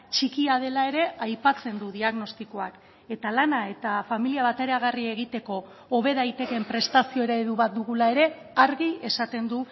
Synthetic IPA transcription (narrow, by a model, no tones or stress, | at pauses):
t͡ʃikiað̞e̞lae̞ɾe̞ajpat͡se̞nd̪uðiaɣno̞st̪iko̞ak | e̞t̪alanae̞t̪afamiliaβat̪eɾeaɣ̞arie̞ɣit̪e̞ko̞ː | β̞e̞ðajt̪e̞ke̞mpɾe̞st̪asio̞eɾaeðuβat̪̚d̪uɣulae̞ɾe̞ | aɾɣie̞sat̪e̞nd̪u